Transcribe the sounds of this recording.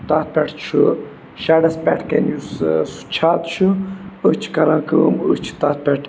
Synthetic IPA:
t̪aːt̪̚pʲɛʈʰt͡ʃʰu | ʃaːɽɐspʲɛ̰ːʈʰkenjussu̥t͡ʃʰaːt̪t͡ʃʰuət͡ʃʰkɐɾãːkəmət͡ʃʰi̥t̪aːt̪̚pʲɛʈʰ

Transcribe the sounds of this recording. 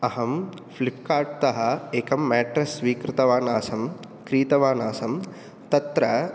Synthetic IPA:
ɐɦɐm | flip̚kaːʈ̚t̪ɐɦɐeːkɐmːɛːʈɾɐsʋiːkɾɪt̪ɐʋaːnaːsɐm | kɾiːt̪ɐʋaːnaːsɐm | t̪ɐt̪ɾɐ

